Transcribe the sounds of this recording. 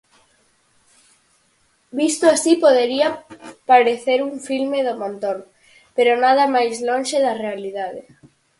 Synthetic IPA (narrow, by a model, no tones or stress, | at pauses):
bist̪oasipoð̞eɾiapaɾeθeɾuɱfilmeðomõnt̪oŋ | peɾonað̞ɐmajzlonʃeðɐrealiðaðe